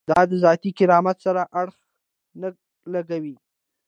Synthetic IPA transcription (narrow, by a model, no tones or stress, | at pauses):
d̪ɑd̪əzɑt̪ikɪɾɑmat̪saɾaʔaɽx | nə | laɡawi